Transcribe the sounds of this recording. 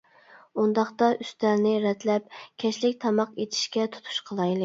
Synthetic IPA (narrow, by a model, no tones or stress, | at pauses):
und̪ɑχt̪ɑʔyst̪æɾnɪɾɛt̪lɛp̚kʲʰɛʃlɪkʲt̪ʰɑmɑqet̪ʰi̥ʃkʲɛt̪ʰu̥t̪ʰu̥ʃqʰəlˠɑjlˠɨ